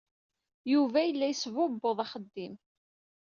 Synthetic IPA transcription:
juvæjəlːæjsvʊbːoðˤɑχəd̪ːim

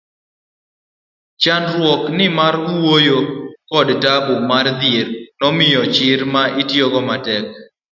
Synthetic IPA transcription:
t͡ʃanɾwɔknɪmaɾuwojokɔdtabumard̪ernɔmɪjɔt͡ʃɪɾmaʔitjoɡɔmatɛk̚

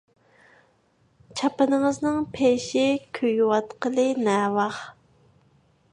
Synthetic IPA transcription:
t͡ʃʰɑpɨnəŋɨznɨŋpʰeʃɪkʲʰøjwɑt̪qʰəlˠɨnɛːwɑχ

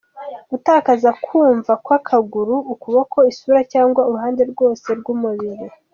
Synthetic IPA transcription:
utaːkazakʰuːɱvakwakʰaɡuɾuːkuβako̞isuːɾacaːŋɡwauɾuɦaːnde̞ɾɡwo̞ːse̞ɾɡumuβiɾi

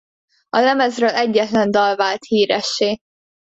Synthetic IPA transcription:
ɒlɛmɛzrøːlɛɟːɛt̪lɛnd̪ɒlvaːlt̪hiːɾɛʃːeː

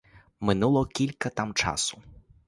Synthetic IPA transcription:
mɪnulˠɔkʲilʲkɐt̪amt͡ʃa̰sʊ̥

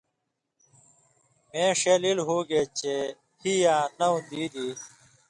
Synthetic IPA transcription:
mẽːʂeːlilɦuːɡeːt͡ɕe | hijãːnɐũnd̪iːd̪iː

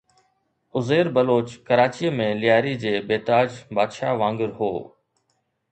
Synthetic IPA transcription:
ʊzeːɾbəloːt͡ɕkəɾaːt͡ɕiːəmẽlɪjaːɾid͡ʑeːbeːt̪aːd͡ʑbaːd̪ʃaːʋãːŋɡəɾɦo̰ː

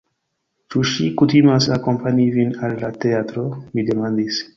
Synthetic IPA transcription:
t͡ʃuʃikut̪imasako̞mpaɲivinalːat̪eat̪ɾomid̪emand̪is

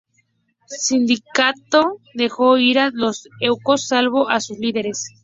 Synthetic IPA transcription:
sind̪ikat̪oðe̞xo̞iɾalosewko̞sːalβo̞ʔasusliðe̞ɾes

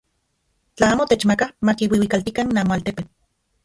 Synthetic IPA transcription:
t͡ɬaaːmot̪et͡ʃmakamakiwiwikalt̪ikaninaːmoalt̪epet͡ɬ

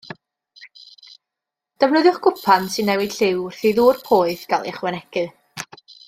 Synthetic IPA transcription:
d̥əvnʊðjʊχɡ̥ʊpʰansɨnːɛwɪd̥ɬɪwr̥θiðuːrpʰoːɨðɡ̥alˠɪ̰χwɛnɛɡɨ

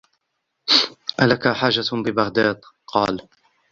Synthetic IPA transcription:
ʔalakaħaːʒːabɪbaɣd̪aːd̪ | qɑːl

